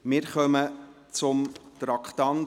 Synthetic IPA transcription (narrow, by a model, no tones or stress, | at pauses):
mɪːɾχœmə | t͡sʊmt̪ɾɑkχt̪ɑn